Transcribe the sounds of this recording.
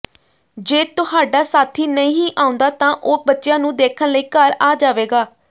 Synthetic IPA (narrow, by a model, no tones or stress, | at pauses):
d͡ʒeːt̪ʊhaːɖaːsaːt̪ʰiːnəĩːĩːʔaːʊ̃nd̪aːt̪ãːʔoːbətːʃɪjãːnũːd̪eːkʰənləiːkəɾaːd͡ʒaːʋeːɡaː